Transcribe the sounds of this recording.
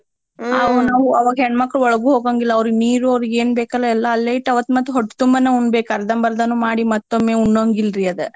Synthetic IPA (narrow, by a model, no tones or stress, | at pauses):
ɐnaːʋuɐʋɐɡɐɦɛɳɖmɐkːɾɐɔɭɐɡuɦoːɡaːŋɡilːɐːʋɾuɡniːɾuɐʋɾuɡeːnbeːkɐlːɐɛlːɐːlːeiʈɐʋɐt̪ːmɐt̪ːuɦɔʈːt̪umbɐneːuɳɖbeːkɐɾd̪ɐmbɐɾd̪ɐnːumaːɽimɐt̪ːomːeːuɳɖoːŋɡilɾiɐd̪e